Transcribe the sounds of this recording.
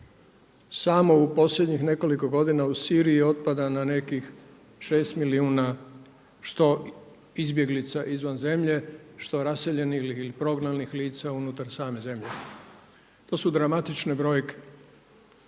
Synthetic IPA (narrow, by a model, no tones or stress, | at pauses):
samo̞upo̞sʎe̞d̪ɲixne̞ko̞liko̞ɡo̞d̪inausiːɾijio̞t̪̚pad̪anane̞kix | ʃe̞ːst̪miliuːna | ʃt̪o̞ | izbje̞ɡlit̪saʔizʋanze̞mʎe̞ʃt̪o̞ɾaseʎe̞nilixilipɾo̞ɡnalnixliːt̪saunut̪aɾsaːme̞ze̞mʎe̞ | t̪o̞ːsud̪ɾamat̪it͡ʃne̞bɾo̞ːjke̥